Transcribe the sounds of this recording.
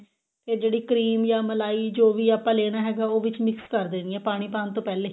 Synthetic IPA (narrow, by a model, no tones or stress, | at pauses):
t̪eːd͡ʒeːɽiːkəɾiːmjaːməlaːiːd͡ʒoːʋiːaːpãːleːɽ̃aːɦɛːɡaːoːʋɪt͡ʃmɪkskəɾd̪eːniɛːpaːɽ̃iːpaːnt̪õːpɛːleː